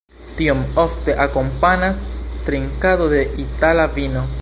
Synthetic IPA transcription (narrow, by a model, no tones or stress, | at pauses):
tiomo̞fte̞ʔako̞mpanastɾiŋkado̞de̞ʔitalavino̞